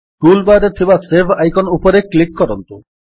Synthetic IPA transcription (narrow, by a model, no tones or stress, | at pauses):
ʈulbaɾet̪ʰibasebʱajkɔnupɔɾeklikːɔɾɔnt̪u